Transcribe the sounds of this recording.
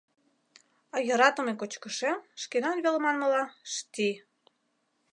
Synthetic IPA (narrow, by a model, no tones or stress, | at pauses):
ɑjəɾɑt̪ə̆mekot͡ɕkəʃemʃkenɑnβelmɑnməlɑʃt̪i